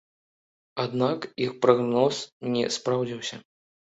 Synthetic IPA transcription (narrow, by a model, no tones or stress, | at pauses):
ad̪nakixpɾaɣnɔsnʲɛ̰spɾawd͡zʲiwsʲɐ